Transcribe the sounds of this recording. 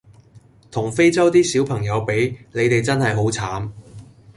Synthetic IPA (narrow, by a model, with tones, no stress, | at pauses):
t̪ʰʊ˨˩ŋfe˥jt͡sɐ˥wt̪iː˥siː˨˥wpʰɐ˨˩ŋjɐ˨˧wpe˨˥jne˨˧jt̪e˨jt͡sɐ˥nɦɐ˨jɦo˨˥wt͡sʰaː˨˥m